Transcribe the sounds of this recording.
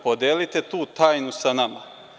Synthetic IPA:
pod̪eːlit̪et̪uːt̪aːjnusanama̰

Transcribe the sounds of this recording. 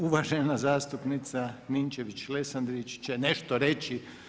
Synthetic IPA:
uʋaʒenazaːst̪upnit̪sanint͡ʃeʋit͡ɕlesand̪ɾit͡ʃt͡ɕene̞ʃt̪oɾe̞t͡ɕi

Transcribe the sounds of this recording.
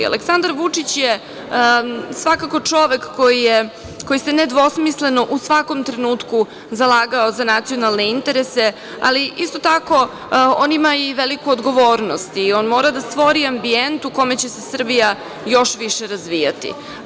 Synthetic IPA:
a̰leksand̪aɾʋut͡ʂit͡ɕje | sʋakako̞t͡ʂo̞ʋe̞kːojije | ko̞jise̞ned̪ʋo̞smisle̞noʔusʋako̞mt̪ɾe̞nuːt̪ku | zalˠaːɡaozanat̪sijo̞nalˠne̞int̪eɾese | a̰liʔist̪o̞t̪ako̞ | oːnimaiʋelikuod̪ɡo̞ʋo̞ːɾnost̪iːo̞nmo̞ːɾad̪ast̪ʋo̞ɾiambient̪uko̞me̞t͡ɕe̞se̞sr̩bija | jo̞ʃʋiʃeɾazʋijat̪ḭ

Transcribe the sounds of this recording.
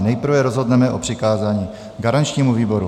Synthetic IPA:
nɛjpr̩vɛɾozɦo̞dnɛmɛʔopr̥ɪkaːzaːɲiː | ɡaɾant͡ʃɲiːmuviːbo̞ɾu

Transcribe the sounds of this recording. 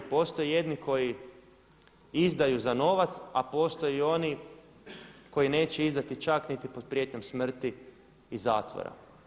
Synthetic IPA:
po̞ːst̪o̞jije̞d̪niko̞ji | izd̪ajuzano̞ʋat̪sapo̞ːst̪o̞jio̞ni | ko̞jine̞ːt͡ɕeizd̪at̪it͡ʃaknit̪ipo̞d̪̥̚pɾje̞t̪ɲo̞msmr̩t̪iː | zaːt̪ʋo̰ɾa̰

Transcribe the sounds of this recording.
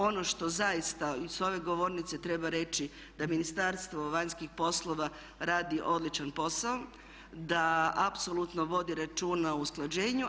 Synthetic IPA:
o̞no̞ʃt̪o̞zajist̪aiso̞ʋe̞ɡo̞ʋo̞ɾnit̪set̪ɾe̞baɾe̞t͡ʃi | d̪aminist̪aɾst̪ʋo̞ʋaɲskixpo̞slˠoʋa | ɾaːd̪iʔo̞d̪lit͡ʃanpo̞sao | d̪aapso̞lˠut̪no̞ʋo̞d̪iɾat͡ʃuːnausklˠad͡ʒe̞ːɲu

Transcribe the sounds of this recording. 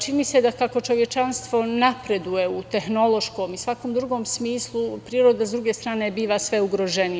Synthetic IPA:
t͡ʃinise̞d̪akako̞t͡ʃo̞ʋje̞t͡ʃanst̪ʋo̞napɾe̞d̪ujeut̪e̞xno̞lˠo̞ʃko̞ːmisʋakoːmd̪ɾuɡo̞ːmsmiːslˠupɾiːɾo̞d̪azd̪ɾuɡe̞st̪ɾaːne̞biːʋasʋe̞uɡɾo̞ʒenij

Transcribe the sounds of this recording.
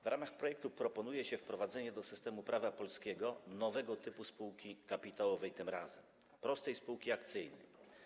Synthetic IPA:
vɾʔamaxpɾɔjɛk̚t̪upɾɔpɔnujɛɕɛfpɾɔvad̪zɛɲɛd̪ɔsɘst̪ɛmupɾʔavapɔlskʲɛɡɔnɔvɛɡɔt̪ɘpuspuwkʲikapʲit̪awɔvɛjt̪ɘmɾazɛmpɾɔst̪ɛjspuwkʲiakt̪sɘjnɛ̰jj

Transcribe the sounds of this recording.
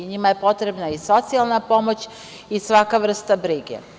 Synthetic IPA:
ɲimaje̞po̞t̪ɾe̞bnaiso̞t̪sialˠnapo̞mo̞t͡ɕ | isʋakaʋr̩st̪abɾiɡḛ

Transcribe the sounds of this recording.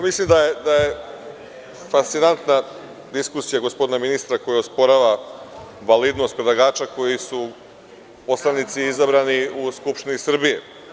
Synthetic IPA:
amislimd̪ajed̪aje̞ | fast̪sinant̪na | d̪iskusijaɡo̞spo̞d̪inaminist̪ɾako̞jaospo̞ɾaʋa | ʋalid̪no̞st̪̚pɾed̪lˠaɡaːt͡ʃako̞jisu | po̞slˠanit̪siizabɾaːniuskupʃt̪inisr̩bijḛ

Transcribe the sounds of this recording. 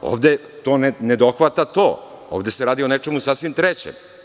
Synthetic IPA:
o̰ːʋd̪e | t̪oːnened̪oxʋat̪at̪oːo̰ːʋd̪e̞seɾaːd̪io̞net͡ʂe̞musasʋimt̪ɾet͡ɕḛm

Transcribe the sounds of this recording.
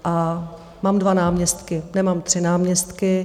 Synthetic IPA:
ʔa | maːmdvanaːmɲɛst̪kɪnɛmaːmt̪r̝̥ɪnaːmɲɛst̪kɪ

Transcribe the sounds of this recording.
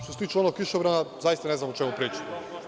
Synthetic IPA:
ʃt̪oset̪iːt͡ʃɛo̞noɡkːiʃoʋɾanazajist̪ane̞znamot͡ʃemupɾiːt͡ʃi̥t̪o

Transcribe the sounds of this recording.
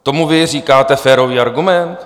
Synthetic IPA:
t̪o̞muvɪr̝iːkaːt̪ɛfɛːɾo̞viːaɾɡumɛnt̪

